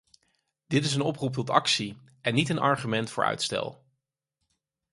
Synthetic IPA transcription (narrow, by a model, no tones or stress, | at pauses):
d̥ɪtɪs̬ənɔprup̚tɔtɑ̰ksi | ʔɛnːitənʔɑ̰ɹχymɛntfʊːɹœ̰ɥtstɛ̰lˠ